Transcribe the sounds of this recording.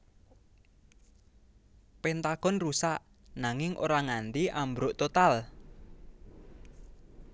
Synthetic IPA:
pent̪aɡ̥ɔ̤nrusaʔ | naŋɪŋʔo̰ɾaŋand̪iʔambɾoʔt̪ot̪al

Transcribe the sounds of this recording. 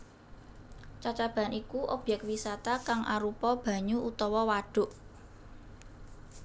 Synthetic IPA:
t͡ʃat͡ʃab̥a̤nikuʔob̥jɛk̚t̪̚wisat̪akaŋʔaɾupɔb̥ä̤ɲuut̪ɔwɔwaɖ̥ʊ̤ʔ

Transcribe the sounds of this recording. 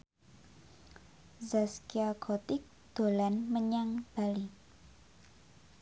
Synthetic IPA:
zaskiakʰɔt̪ɪk̚ | d̪̥o̤lanməɲaŋb̥ali

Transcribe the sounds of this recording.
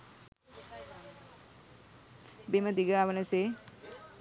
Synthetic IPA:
beməd̪iɡaːʋənəse

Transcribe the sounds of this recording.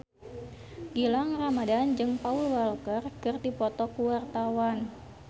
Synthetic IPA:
ɡ̥ilaŋramadand͡ʒɨŋpaulwalkərkɨrdipɔt̪ɔkuwart̪awan

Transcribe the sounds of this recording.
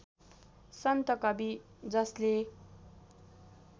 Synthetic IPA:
sʌnt̪ʌkʌbi | d͡zʌsle

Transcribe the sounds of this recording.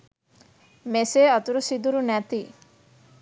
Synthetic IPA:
meseɔt̪uɾusid̪uɾunɛt̪i

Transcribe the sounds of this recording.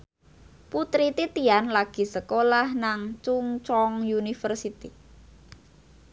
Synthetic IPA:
put̪ɾit̪it̪ianlaɡ̥i̤səkolahnaŋt͡ʃuŋt͡ʃɔŋjunifərsit̪i

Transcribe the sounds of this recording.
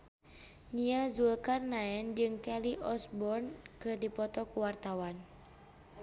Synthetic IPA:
niazulkarnaɛnd͡ʒɨŋkɛliʔɔsbɔrnkɨrdipɔt̪ɔkuwart̪awan

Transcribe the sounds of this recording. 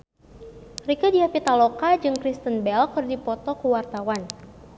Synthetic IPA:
rikadiapit̪alokad͡ʒɨŋkɾist̪ənbɛlkɨrdipɔt̪ɔkuwart̪awan

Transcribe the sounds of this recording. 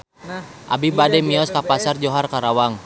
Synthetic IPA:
ʔabibadɛmiɔskapasard͡ʒɔɦarkaɾawaŋ

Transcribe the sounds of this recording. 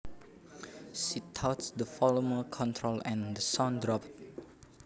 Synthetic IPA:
sitʰatsdəfɔloməkʰɔ̃ntʰɹolɛ̃ndəsãndɹɔp̚t̚

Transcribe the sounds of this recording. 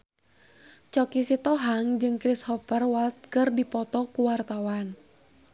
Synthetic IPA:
t͡ʃɔkisit̪ɔɦaŋd͡ʒɨŋkɾishɔpərwalt̪̚kɨrdipɔt̪ɔkuwart̪awan

